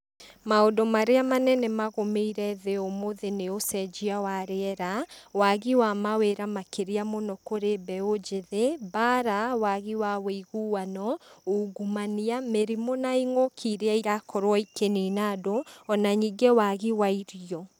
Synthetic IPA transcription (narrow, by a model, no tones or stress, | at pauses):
maodomaɾeamanɛnɛmaɣomeiɾɛðeomoðeneosɛd͡ʒiawaɾeɛɾawaɣiwamaweɾamakeɾeamonɔkoɾebɛod͡ʒeðebaɾawaɣiwaweiɣuwanɔuɡumaniameɾimonaiŋokʰiɾeaiɾakʰɔɾwɔikeninadoɔnaɲiːŋɡewaɣiwaiɾiɔ